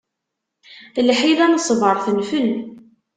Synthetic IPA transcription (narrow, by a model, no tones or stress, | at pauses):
lħiðænəsˤvəɾˤθənfən